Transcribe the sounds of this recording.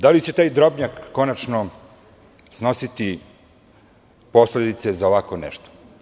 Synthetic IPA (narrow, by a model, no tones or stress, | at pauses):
d̪alit͡ɕe̞t̪aːjd̪ɾo̞bɲakːo̞nat͡ʃno | sno̞sit̪i | po̞sled̪it̪sezaoʋakonɛ̰ʃt̪o̥